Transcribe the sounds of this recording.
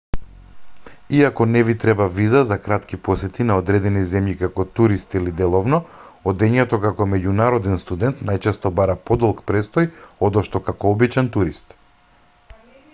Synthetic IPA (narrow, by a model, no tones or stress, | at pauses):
iakɔnɛvit̪ɾɛbavizazakɾat̪kipɔsɛt̪inaɔd̪ɾɛd̪ɛnizɛmjikakɔt̪uɾist̪ilid̪ɛlˠɔvnɔɔd̪ɛɲɛt̪ɔkakɔmɛɟunaɾɔd̪ɛnst̪ud̪ɛnt̪najt͡ʃɛst̪ɔbaɾapɔd̪ɔlˠkpɾɛst̪ɔjɔd̪ɔʃt̪ɔkakɔɔbit͡ʃɛnt̪uɾist̪